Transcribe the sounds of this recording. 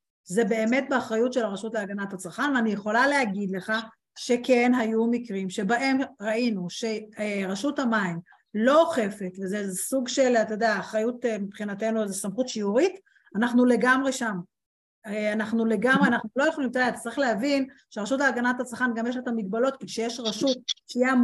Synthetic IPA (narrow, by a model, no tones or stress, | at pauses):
ze̞be̞ːme̞t̚beaχʁajutʃe̞laʁaʃutleaɡanathat͡saʁχanveanijeχo̞laleaɡid̪le̞χa | ʃe̞ke̞nɦajumikʁimʃe̞baʔe̞mʁainuʃe̞ʁaʃuthamaim | lo̞χe̞fe̞tvezesuɡʃe̞lat̪ojod̪eaχajutemipχinate̞nuzesamχutʃiuʁit | anaχnule̞ɡamʁe̞ʃam | anaχnule̞ɡamʁeanaχnulo̞jeχolimt̪aet̪ḁt͡sɐʁiχleavinʃeʁaʃutaːɡanatat͡saχanɡamjeʃ̬letamiɡ̚balo̞t̪̚kiʃejeʃʁaʃut̚ʃja